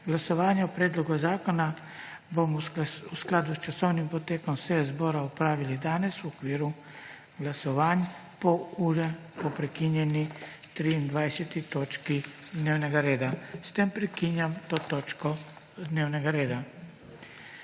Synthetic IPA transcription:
ɡlasɔʋaːnjɛɔpɾeːd̪lɔɡuzaːkɔna | bomusklaːd̪ust͡ʃasɔwnimpɔt̪eːkɔmsezbɔːɾaupɾaːʋilid̪aːnɛsuɔkʋiːɾu | ɡlasɔʋaːn | pɔuɾɛ | pɔpɾɛkinjɛnit̪ɾiːnd̪ʋajsɛt̪it̪oːt͡ʃkid̪neːwnɛɡaɾeːd̪ast̪empɾɛkinjamt̪oːt̪oːt͡ʃkɔ | d̪neːwnɛɡaɾeːd̪a

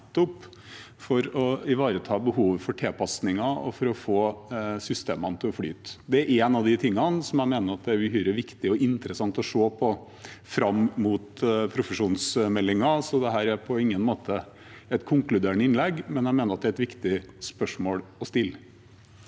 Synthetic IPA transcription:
t̪ːɔp | fɔɾɔɪʋɑːɾət̪ʰɑːbəhuːʋfɔʈʰeːpʰɑsnɪŋɑɔ̰fɔɾɔfoːsʏst̪eːmənət̪ʰɪɔfɽy̰ːt̪d̪ɛæɾʔɛːnɑʋd̪ɪt̪ʰɪŋːɑnsɔmjæɪmeːnəɾɑt̪̚d̪ɛæɾəhyːɾəʋɪkt̪ɪɔʔɪnt̪ɾəsɑŋt̪ɔʂoːpʰɔ | fɾɑmmut̪pʰɾʊfəʂuːnsmɛlːɪŋɑsɔd̪ɛɦæːɾæɾpʰɔɪŋːənmoːt̪ʰə | ɛt̪kʰʊŋklʉd̪eːɳəɪnlɛɡːmɛnjæɪmeːnəɾɑt̪d̪ɛæɾɛt̪ʋɪkt̪ɪspœʂmoːlɔst̪ɪlː

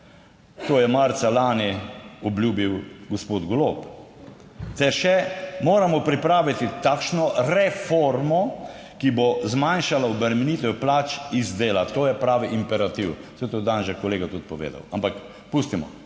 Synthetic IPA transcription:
t̪oːjɛmaɾt̪salaːniɔblʲjuːbiwɡɔspoːd̪ɡoloːp | t̪ɛɾʃɛmoːɾamɔpɾipɾaːʋit̪it̪aːkʃnɔɾɛfoɾmɔ | kibozmanʃalaɔbəɾmɛniːt̪ɛplaːt͡ʃizd̪eːlat̪oːjɛpɾaːʋiʔimpɛɾat̪iwsɛt̪od̪anʒɛkɔleːɡat̪ut̪̚pɔʋḛːd̪a̰wampak | pust̪imɔ̰

